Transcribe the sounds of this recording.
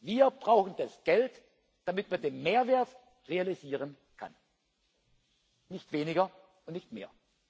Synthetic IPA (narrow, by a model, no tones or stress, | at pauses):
viːɐbʁaʊxn̩d̥asɡ̥ɛlt | d̥amɪtmandeːnmeːɐveːɐt | ʁealiziːʁ̞ən | kʰa̰n | nɪçtv̥eːnɪɡɐ | ʔʊntnɪçtmḛːɐ